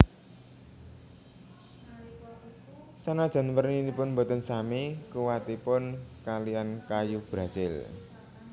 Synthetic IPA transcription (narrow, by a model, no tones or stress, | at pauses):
sanad̥ʒ̥a̤nwərninipʊnmbɔt̪ənsamekuwat̪ipʊnkaliankajub̥ɾa̤z̥ɪl